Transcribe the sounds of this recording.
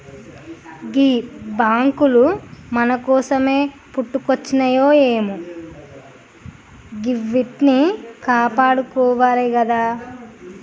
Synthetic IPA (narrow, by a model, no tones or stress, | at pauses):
ɡiːbaːŋkulumɐnɐkɔːsɐme̞ː | puʈːukot͡ʃːinɐjoːeːmu | ɡiʋːiʈnikaːpaːɽukɔːʋaːliɡɐd̪aː